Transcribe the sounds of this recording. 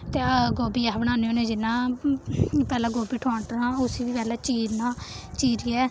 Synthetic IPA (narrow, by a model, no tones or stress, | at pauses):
t̪eːɡoːbiːabəɽaːneõːnẽːd͡ʒɪnːãː | pɛːlãːɡoːbiːʈʰoːɳʈnãːʊsiːʋiːpɛːlaːt͡ʃiːɾnãːt͡ʃiːɾiːɛː